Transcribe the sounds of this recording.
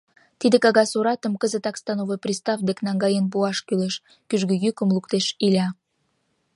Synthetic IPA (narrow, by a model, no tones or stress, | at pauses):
t̪id̪ekɑɣɑsuɾɑt̪ə̆mkəzət̪ɑkst̪ɑnovojprʲist̪ɑfd̪eknɑŋɡɑjənp̬uɑʃkyleʃ | kyʒɡøjykə̆mlukt̪eʃilʲɑ